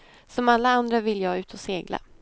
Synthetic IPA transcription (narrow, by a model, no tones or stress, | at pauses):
sɔmalːaand̪ɾavɪlːjɑːʉ̟ːt̪ʰɔseːɡla̰